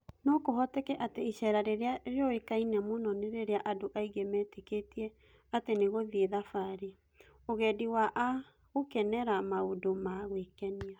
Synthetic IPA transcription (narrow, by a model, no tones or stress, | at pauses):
nɔkoɦɔtekɛʔateiɕɛɾaɾeɾeaɾeɔekainɛmonɔneɾeɾeaʔadoʔaiɡemɛːteketiɛ | ateneɣoðieðafaɾe | oɣɛːdiwaʔa | ɣokɛnɛɾamaodomaɣwekɛnia